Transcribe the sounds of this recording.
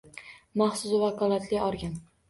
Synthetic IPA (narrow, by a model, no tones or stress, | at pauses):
mɑχsʊzvakʰɒlˠat̪ʰlɪɒɾɡʲan